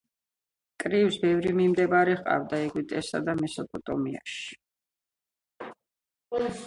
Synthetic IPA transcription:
kʼɾiwsbɛvɾimimd̪ɛbaɾiʁqʼa̰vd̪aɛɡwit̪ʼɛsa̰d̪amɛsɔpʼɔt̪ʼɔmia̰ʃi̥

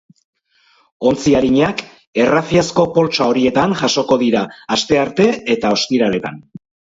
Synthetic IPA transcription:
o̞nt͡siaɾiɲak | e̞raθiasko̞po̞lt͡ʃao̞ɾie̞t̪aŋʝaso̞ko̞ðiɾaːst̪e̞aɾt̪e̞et̪ao̞st̪iɾale̞t̪a̰n

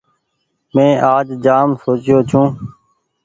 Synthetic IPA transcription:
mẽːʔaːd͡ʒd͡ʒaːmsoːt͡ʃɪjoːt͡ʃʰũː

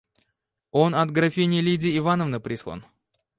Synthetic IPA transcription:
o̞nɐt̪ɡɾɐfʲinʲɪlʲidʲɪɪvanəvnəpɾʲislˠa̰n

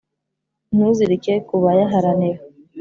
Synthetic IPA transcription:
nuziɾikekuβajaɦaɾaniɾa

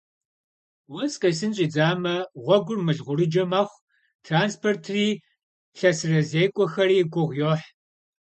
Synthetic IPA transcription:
wɐsqɐs̬ɨnɕʼiːd͡zaːmɐʁʷɔɡʷʊrmɨɮʁʷʊɾɨd͡ʒɐmɐχʷ | tʰraːnspʰortʰriː | ɬɐsɨrɐzeːkʷʼɔxɐriːɡʷʊʁjoːħ

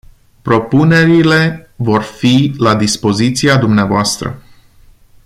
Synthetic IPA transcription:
pɾo̞pune̞ɾile̞vo̞rfilad̪ispo̞zit̪siad̪umneavoast̪ɾə̰

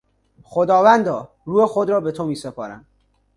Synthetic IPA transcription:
xod̪ɒːvænd̪ɒː | ɾuːexod̪ɾɒːbet̪ʰomiːsepʰɒ̰ːɾæ̰n

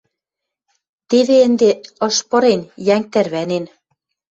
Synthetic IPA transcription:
t̪eβeə̆nd̪eɤ̆ʃpɤ̆ɾenjæŋk̚t̪ærβænen

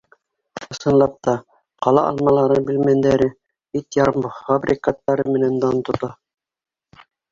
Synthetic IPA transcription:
ɤ̆sɤ̆nlˠɑp̚t̪ɑ | qɑlˠɑ̰ʔɑ̰lˠmɑlˠɑɾɤbilmænd̪æɾɘ | bit̪jɑɾmɤfabrʲʔikat̪ːɑɾɤmɘ̆nænd̪ɑnt̪ŏt̪ɑ

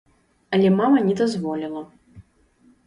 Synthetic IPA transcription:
ɐlʲɛmamɐnʲɛd̪azvɔlʲilˠɐ

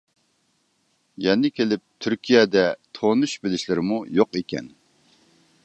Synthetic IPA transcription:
jɛnɪkʲelɪp̚t̪ʰyɾkʲʰijɛd̪ɛt̪ʰonuʃbɪlɪʃlɪɾɪmujoqekʲɛ̰n

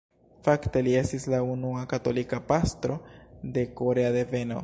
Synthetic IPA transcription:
fakt̪eliesislaunuakat̪olikapast̪ɾod̪ekoɾeaðeveno̰

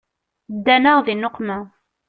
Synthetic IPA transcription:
d̪ːænəʁðinːoqːmæ

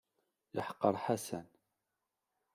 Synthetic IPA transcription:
jəħə̥qːəɾˤħasæn

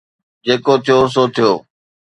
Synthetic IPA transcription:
d͡ʑeːkot̪ʰijos̬oːt̪ʰijoː

